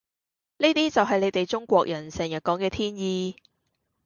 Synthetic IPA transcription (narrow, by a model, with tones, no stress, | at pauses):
niː˥t̪iː˥t͡sɐ˨wɦɐ˨jle˨˧jt̪e˨jt͡ʃʊ˥ŋkʷɔː˧k̚jɐ˨˩nsɛː˨˩ŋjɐ˨˩t̚kɔː˨˥ŋkɛː˧t̪ʰiː˥njiː˧